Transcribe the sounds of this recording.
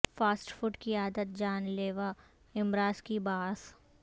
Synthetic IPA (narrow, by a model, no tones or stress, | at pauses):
faːsʈfʊʈkiaːd̪ət̪̚d͡ʒaːnleːʋa | ɪmɾaːskibaːs